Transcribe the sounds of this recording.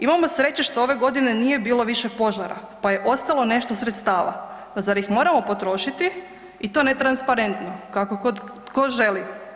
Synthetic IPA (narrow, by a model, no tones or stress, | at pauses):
imamo̞sɾe̞t͡ɕiʃt̪oo̞ʋe̞ɡo̞d̪ine̞nije̞biːlo̞ʋiʃe̞po̞ʒaɾa̰paje̞ʔo̞st̪alˠo̞ne̞ʃt̪osɾet̪st̪aːʋa̰ | zaɾjixmo̞ːɾamo̞po̞t̪ɾo̞ʃit̪i | it̪o̞ne̞t̪ɾanspaɾe̞nt̪no̞kakokod̪ | koʒe̞li